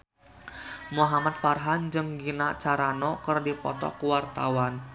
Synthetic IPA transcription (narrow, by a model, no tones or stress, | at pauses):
muɦamat̪̚farɦand͡ʒɨŋɡinat͡ʃaɾanɔkərdipɔ̰t̪ɔ̰kuwart̪awan